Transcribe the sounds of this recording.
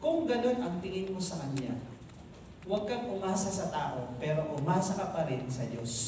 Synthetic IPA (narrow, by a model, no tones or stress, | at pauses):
kʊŋɡɐno̞nʔɐŋt̪ɪŋɪŋmosɐkɐnja̰ | wɐɡ̚kɐŋʔʊmaːsɐsɐt̪aːʔo̞pɛːɾoʔʊmaːsɐkɐpɐɾɪnsɐdos